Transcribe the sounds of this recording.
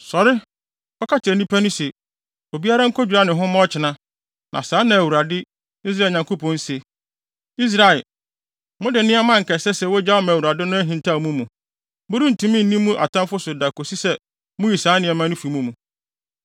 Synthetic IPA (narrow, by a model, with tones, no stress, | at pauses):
sɔ˨ɾɪ˦ | ɔ˦kʰa˦tʰɪ˨ɛ˨nĩ˦pʰæ˦nʊ̃˦se˨ | o˨bi˦a˦ɾa˦ŋ̩˦kʰɔ˦d͡ʑᶣu˨ɾa˦nɪ̃˨ɦʊ̃˦mɔ̃˦ɔ˦t͡ɕʰɪ˨nã˦ | nʔã̰˨saː˨˦nã˨æ˨wu˨ɾa˨dɪ˦ | i˦s̬ɾa˦˨ɲã˨ŋko˦pʰɔ̃˨˦n̩˦se˨ | i˦s̬ɾa˨ɛ˨ | mʊ̃˦dɪ˨nɪ̃˦a˦mã˦ŋ̩˨kɛ˨sɛ˦sɛ˦˨wɔ˦d͡ʑa˦wmã˨wu˨ɾa˨dɪ˦nʊ̃˦æ˦ɦĩ˨ntʰa˦˨mũ˦mũ˨ | bʊ˦ɾi˦n̩˨tʰũ˨˦mĩ˦n̩˨nĩ˦mːũ˦ʔa̰˨tʰã˦mfʊ˦sʊ˨da˨ko˨si˦sɛ˦ | mʊ̃˦ji˨saː˨˦nɪ̃˨ɛ˨mã˦nʊ̃˦fi˨˦mũ˦mũ˨